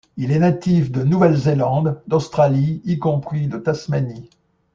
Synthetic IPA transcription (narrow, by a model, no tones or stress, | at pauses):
ilɛnat̪ifd̪ənuvɛlzelɑ̃d̪d̪ɔst̪χaliːkɔ̃pχid̪ət̪asmani